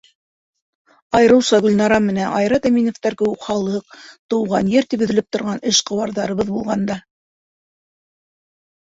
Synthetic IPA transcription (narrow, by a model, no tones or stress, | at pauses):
ɑjɤ̆ɾɤ̆wsɑɡɵ̆lnɑɾɑmɘ̆nænʔɑjɾɑt̪æminŏft̪ɑɾkɘ̆wukχɑlˠɤq̚t̪ɤ̆wʁɑnjɘɾt̪ipɵ̆ðɘ̆lɘp̚t̪ŏɾʁɑnɘʃqɤ̆wɑɾðɑɾɤ̆βɤðbulˠʁɑnd̪ɑ